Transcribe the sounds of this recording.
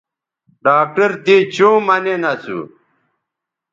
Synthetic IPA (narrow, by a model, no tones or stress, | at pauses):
ɖaːk̚ʈɐɾt̪it͡ɕũːmɐnenɐsṵ